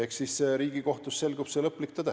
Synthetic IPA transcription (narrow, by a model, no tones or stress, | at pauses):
eksisseɾiːɡ̥iko̞ht̪usːe̞lɡub̥selɤpːˑlik̚t̪ɑd̪æ